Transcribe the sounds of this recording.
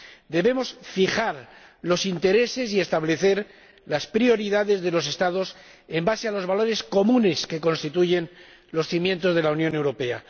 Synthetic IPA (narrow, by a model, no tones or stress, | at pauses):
d̪e̞βe̞mo̞sfixaɾlo̞sint̪e̞ɾe̞se̞s̬ie̞st̪aβle̞θe̞ɾ | laspɾio̞ɾiðaðe̞zðe̞lo̞se̞st̪aðo̞s | e̞mbasealo̞zβalo̞ɾe̞sko̞mũne̞ske̞ko̞nst̪it̪uʝe̞n | lo̞sθimje̞nt̪o̞zðe̞launjo̞ne̞wɾo̞pe̞a̰